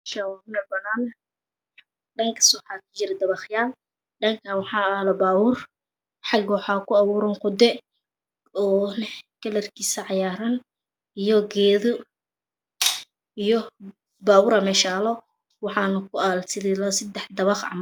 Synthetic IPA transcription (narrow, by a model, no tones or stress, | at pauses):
ʃɐwaʊnɐbɐnaːn | ɖɐŋkʰɐ̥swħaːkʰɐ̥t͡ʃɪɾɛd̪ɐβɑχjaːl | ɖɐŋkʰɐwɑħɑːaːlɐbaːwʊr | ħɑɡwħɑːkʰʊɑwuːɾɔŋqʊd̪ɛ | ɔːnɛkɐlɐrkʰiːsɐʕɑjaːɾɐn | ijɔɡɛːðʊ | ijɔ | baːwʊɾɐmɛʃaːlɔ | wɑħɑːnɐkʰʊaːlt̪ʰɪlɪlɐsɐd̪ɛħd̪ɐβɑχɑ̰m